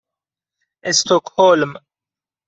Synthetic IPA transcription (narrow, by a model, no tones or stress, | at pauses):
ɛst̪ɔkhɔlm